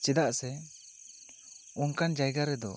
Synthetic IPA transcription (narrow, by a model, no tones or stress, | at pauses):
t͡ʃɛd̪aʔsɛ | unkand͡ʒajɡaɾɛd̪ɔ̰